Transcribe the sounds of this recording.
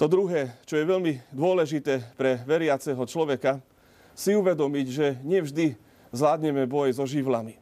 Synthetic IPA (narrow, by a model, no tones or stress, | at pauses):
t̪ɔd̪ɾuɦɛːt͡ʃɔjɛʋɛʎmid̪ʊɔlɛʒit̪ɛːpɾɛʋɛɾɪat͡sɛɦɔt͡ʃlɔʋɛka | siuʋɛd̪ɔmiɟʒɛɲɪɛvʒd̪i | zlaːd̪ɲɛmɛbɔjzɔʒiʋlami